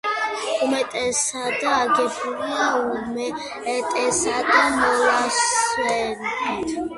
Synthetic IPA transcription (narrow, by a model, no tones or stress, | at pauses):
umɛt̪ʼɛsad̪aaɡɛbulaumɛː | t̪ʼɛsad̪amɔlaswɛnt̪ʰ